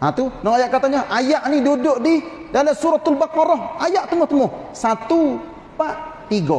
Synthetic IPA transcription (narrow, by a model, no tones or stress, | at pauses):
at̪unɔŋajaʔkat̪aɲaʔajaʔnidudʊʔdi | dalasuɾɔt̪albakɑɾɔɦajaʔt̪əmʊht̪əmʊh | sat̪u | paʔt̪iɡɔ